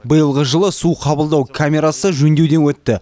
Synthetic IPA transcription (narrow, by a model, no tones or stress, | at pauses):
bəjəlˠʁəʒəlˠəsuqʰɑbəlˠd̪ɑwkʲʰamʲe̞ɾasəʒɵnd̪e̞wd̪e̞nwɵt̪ːɪ